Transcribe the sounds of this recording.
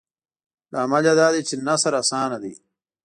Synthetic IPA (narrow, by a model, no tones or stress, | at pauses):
laːmɐlad̪aːd̪it͡ʃinɐsɐɾɐsaːnɐd̪ḭː